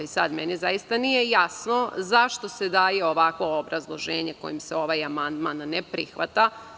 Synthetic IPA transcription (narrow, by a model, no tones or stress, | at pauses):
isad̪menizajist̪anije̞jasno̞zaʃt̪o̞se̞d̪aːje̞oʋakʋo̞ːbɾazlˠo̞ʒeːɲeko̞̰jimseo̞ʋajamand̪manːepɾixʋat̪a